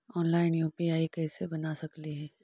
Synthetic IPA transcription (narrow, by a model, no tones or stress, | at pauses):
ɔːnlaːɪnjuːpiaːikɛːsebɐnasɐkliɦɛː